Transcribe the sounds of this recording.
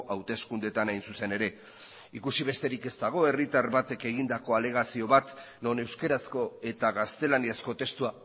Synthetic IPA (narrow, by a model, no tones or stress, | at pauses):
ʔawt̪e̞skund̪et̪anajnsuse̞ne̞ɾe̞ | ikusiβe̞st̪eɾike̞st̪aɣ̞o̞e̞rit̪aɾβat̪e̞ke̞ɣ̞ind̪ako̞ale̞ɣ̞asio̞βat̪ | no̞ne̞wskeɾasko̞e̞t̪aɣast̪e̞laniasko̞t̪e̞st̪ua